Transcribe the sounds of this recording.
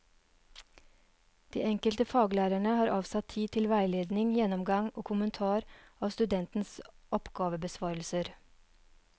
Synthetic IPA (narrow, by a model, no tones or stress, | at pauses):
d̪̥ḭːɛŋkəlt̪əfɑːɡlæːɾæɳəhɑːɾʔɑːʋsɑt̪ʰiːt̪ʰɪlʋæɪleːd̪nɪŋjɛnɔmɡɑŋoːkʰʊmənt̪ʰɑːɾɑːʋst̪ʉd̪ɛnt̪n̩sʔɔpɡ̥ɑːʋəbəsʋɑːɾl̩səɾ